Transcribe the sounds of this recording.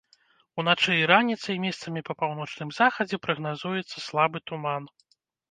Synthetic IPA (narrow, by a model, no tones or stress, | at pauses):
unat͡ʂɛjiɾanʲit̪sɐjmʲɛst̪sɐmʲipɐpawn̪ɔt͡ʂnɨmzaxɐd͡zʲɛpɾɐɣnazujɛt̪sːɐslˠabɨt̪uman